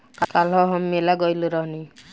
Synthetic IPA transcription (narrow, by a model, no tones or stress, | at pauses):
kakalɦɔɦɔmːelaɡɔjluɾɔɦni